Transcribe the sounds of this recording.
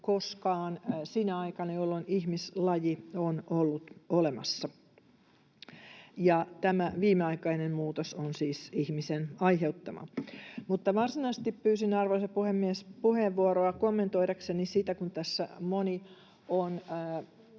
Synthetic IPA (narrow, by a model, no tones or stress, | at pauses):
koskɑːnsineɑikɑnɑjolːonihmislɑjionolːut̪olemɑ̰sːɑ | jɑt̪æmæʋiːmeɑikɑinemmuːt̪osonsiːsihmisenɑiɦeut̪ːɑmɑ̰mut̪ːɑʋɑrsinɑist̪ippyːsinɑrʋoiseppuhemːiespuheːʋːuoɾoɑkomːent̪oiɾɑksenisit̪ækunt̪æsːæ̰moni | onː